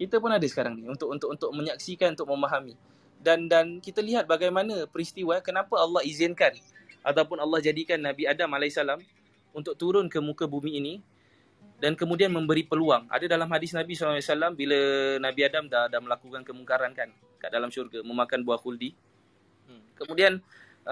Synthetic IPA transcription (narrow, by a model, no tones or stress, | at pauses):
kit̪əpʊnadəsə̥kaɾaŋniunt̪ʊkʔunt̪ʊʔunt̪ʊk̚mə̃ɲaksikanunt̪ʊk̚mə̃maɦami | dandankit̪əliɦat̪̚baɡajmanəpəɾist̪iwakənapaalːɑhizɪnkan | ʔat̪̬awpʊnalːɑhd͡ʒadikanːãbiadamalaisalam | unt̪ʊk̚t̪uɾʊnkəmukəbumĩːni | dankəmudianmə̃mbəɾipəluaŋa̰dədalamɦadɪsnabisalsalambilənabiadamdadahməlakukankəmuŋkaɾankan | ka̰ʔdalamʃurɡamə̃makanbuaxuldi | kəmudian